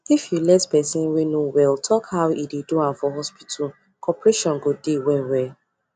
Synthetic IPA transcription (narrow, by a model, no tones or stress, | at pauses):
ifjulɛtpɛsĩnwenowɛltʰɔkhawideduãnfɔɦɔspi̥tʰul | kʰɔpɹeʃɔ̃nɡodewɛwɛ